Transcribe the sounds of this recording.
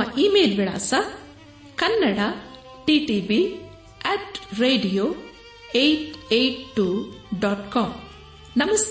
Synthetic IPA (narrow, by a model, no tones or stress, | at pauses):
ɐʔimeːlbiɽa̰ːsɐ | kɐnːɐɽa | ʈiːʈibi | ɛːʈɾeːɖijoː | ejʈeʈʈːuɖɔːʈkɔːm | nɐmɐs